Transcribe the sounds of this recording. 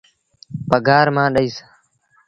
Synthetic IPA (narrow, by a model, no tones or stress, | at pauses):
pəɡʱaːɾmãːɗəiːsḁː